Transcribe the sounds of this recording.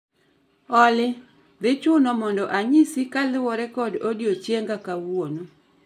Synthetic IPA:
ɔlɪ | ðɪt͡ʃʊnɔmɔndɔʔaɲisikalɪwɔɾɛkɔdodjot͡ʃjeŋɡakawono

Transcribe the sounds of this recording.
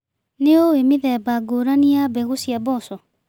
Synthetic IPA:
neowemeðɛbaɡoɾaniabeɣosjabɔsɔ

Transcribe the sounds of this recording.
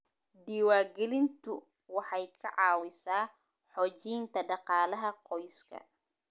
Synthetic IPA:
d̪iːwaːɡɛlɪnt̪ʰʊ | wɑħɑjkʰɐʕɑːwɪsaː | ħɔːt͡ʃijnt̪ʰɐɖɑqɑːlɐɦɐqɔjskʰɐ̰

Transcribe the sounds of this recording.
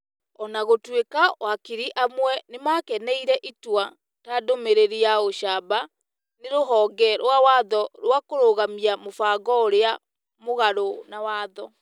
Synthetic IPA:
ɔnaɣotwekawakiɾiʔamwɛnemakɛnɛiɾɛʔitwa | tadomeɾeɾiaoʃaba | neɾoɦɔːɡɛɾwawaðɔɾwakoɾoɣamiamofaɡɔoɾea | moɣaɾonawaðɔ

